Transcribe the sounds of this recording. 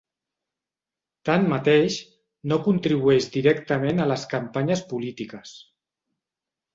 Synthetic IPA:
t̪anmat̪eʃ | nokunt̪ɾiβ̞uɛʒd̪iɾɛkt̪əmenələskampaɲəspulit̪ikəs

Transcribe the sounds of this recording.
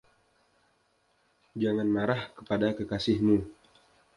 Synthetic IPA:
d͡ʒaŋanmaɾahkə̥padakəkasɪhmu

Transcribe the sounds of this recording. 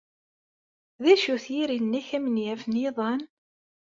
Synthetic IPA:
ðæʃuθjiɾinːæçæmənjæfənjiðˤɑn

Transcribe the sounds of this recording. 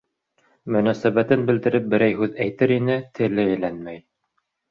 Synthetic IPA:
mɵ̆næsæβæt̪ɘnbɘ̆ld̪ɘ̆ɾɘp̚bɘ̆ɾæjɦʉðæjt̪ɘɾinɘt̪ʰɘ̆lɘælænmæj

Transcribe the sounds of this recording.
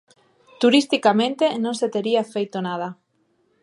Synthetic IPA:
t̪uɾist̪ikamẽnt̪enõŋset̪eɾiafejt̪onað̞a

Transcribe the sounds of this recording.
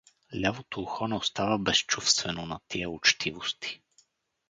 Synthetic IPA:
lʲavot̪oːxɔnɛost̪avəbɛst͡ʃufst̪vɛnonɐt̪iəʊt͡ʃt̪ʰivost̪i̥

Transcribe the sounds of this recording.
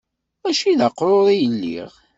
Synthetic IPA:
æʃiðaqːɾˤoðˤijəlːḭʁ

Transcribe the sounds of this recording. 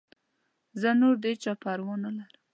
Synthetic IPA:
zənoɾd̪et͡ʃɑpaɾwɑnalaɾəm

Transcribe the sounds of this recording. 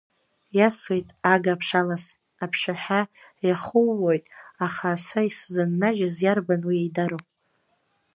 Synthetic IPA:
jaswejtʼaɡapʰʂalas | apʰʂaħᶣa | jaχʊwːojtʼaχasaiszɨnːaʒazjarbanwiejdaɾow

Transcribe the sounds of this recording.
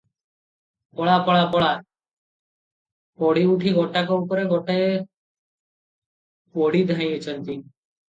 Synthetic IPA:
pɔɭapɔɭapɔɭa | pɔɽiuʈʰiɡɔʈakɔupɔɾeɡɔʈa | pɔɽid̪ʱãĩət͡ʃənt̪i

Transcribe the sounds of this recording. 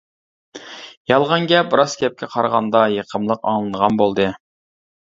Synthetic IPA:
jɑlˠʁɑnɡʲɛpbɨɾɑzɡʲɛp̚kʲʰɛqʰɑɾʁɑnd̪ɑjeqʰəmlˠəqɑ̰ŋlˠɨnʁɑnbolˠd̪ɨ

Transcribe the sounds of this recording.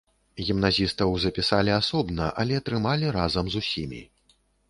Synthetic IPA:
ɣʲimnazʲist̪ɐwzɐpʲisalʲiasɔbnɐʔɐlʲɛɐt̪ɾɨmalʲiɾazɐmzusʲimʲḭ

